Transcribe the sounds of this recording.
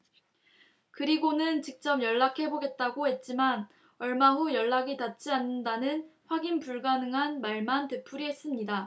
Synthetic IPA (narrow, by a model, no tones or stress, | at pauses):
kɯɾiɡonɯnt͡ɕik̚t͡ɕ͈ʌmjʌɭːakʰe̞boɡe̞t̚t͈aɡohe̞t̚t͡ɕ͈iman | ʌɭmaɦujʌɭːaɡitat̚t͡ɕ͈ianːɯndanɯnɸwaɡinpuɭɡanɯŋɦanmaɭmantepʰuɾiɦe̞s͈ɯmɲida